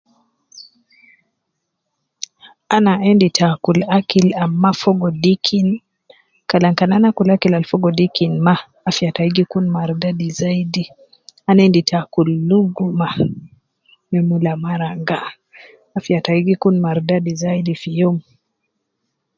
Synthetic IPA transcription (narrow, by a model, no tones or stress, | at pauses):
anaɛnditʰakulakilamːafɔɡɔdikʰin | kalaŋkananakulakilalfɔɡɔdikinmaː | fiataiɡikunmaɾdadizaidi | anɛnditakulːuɡuma | mɛmulamaɾaŋɡaː | fjataiɡikunmaɾdadizaidifijɔm